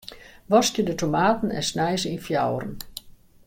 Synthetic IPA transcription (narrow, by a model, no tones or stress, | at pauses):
ʋɔstjədətomaːtən̩ɛ̰nsnɛjzəinfjawrən